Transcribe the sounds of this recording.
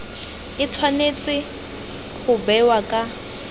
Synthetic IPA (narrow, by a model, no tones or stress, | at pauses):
ɪt͡sʰwanet͡sʼɪ | χʊbɛwakʼa